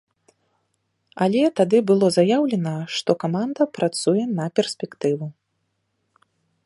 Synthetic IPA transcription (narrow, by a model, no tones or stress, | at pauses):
alʲɛt̪ad̪ɨbɨlˠɔzajawlʲɛnɐʂt̪ɔkamand̪ɐpɾat̪sujɛnɐpʲɛrsʲpʲɛkt̪ɨvu